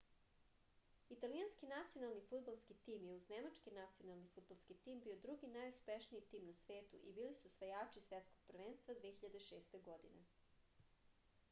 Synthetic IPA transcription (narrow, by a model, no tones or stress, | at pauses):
it̪alianskinat̪sijo̞nalˠnifud̪̚balˠskit̪iːmjeuznemat͡ʃkinat̪sijonalˠnifud̪̚balˠskit̪iːmbiːod̪ɾuɡinajuspeʃniit̪iːmnasʋeːt̪ṵʔibiːlisusʋajaːt͡ʃisʋet̪sko̞ɡ̚pr̩ʋeːnst̪vad̪ʋiexiʎad̪eʃeːst̪e̞ɡod̪inḛ